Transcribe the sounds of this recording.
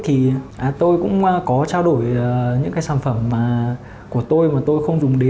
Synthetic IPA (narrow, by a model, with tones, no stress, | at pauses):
t̪ʰi˨˩ʔːt̪o˧jkʊ̰˧˥ŋ͡mʔkɔ˨˦t͡ɕaː˧wɗo˧˩jɲɨ̰˧˥ŋkaː˨˦saː˧˩nfə˧˩mːaː˨˩ | ku˧˩ət̪o˧jmaː˨˩t̪o˧jxə˧wŋ͡mzʊ˨˩ŋ͡mɗe˨˦